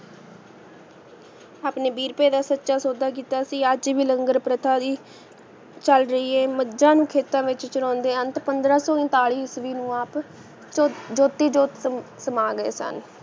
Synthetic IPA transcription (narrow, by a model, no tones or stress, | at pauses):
aːpneːbiːɾpeːd̪aːsətːʃaːsoːd̪aːk̬iːt̪aːsiːəd͡ʒʋiːləŋɡəɾpɾət̪ʰaːd̪iː | t͡ʃəlɾəiːeːməd͡ʒãːnũːkʰeːt̪ãːʋɪt͡ʃt͡ʃəɾɔ̃ːnd̪eːənt̪pənd̪ɾãːsɔːɪ̃nt̪aːɽiːsʋiːnũːaːp | d͡ʒoːt̪iːd͡ʒoːt̪ | səmaːɡəḛːsə̰n